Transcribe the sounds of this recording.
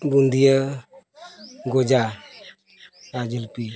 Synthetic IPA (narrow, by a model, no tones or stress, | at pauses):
bund̪ijə | ɡod͡ʒa | ɾad͡ʒəlpi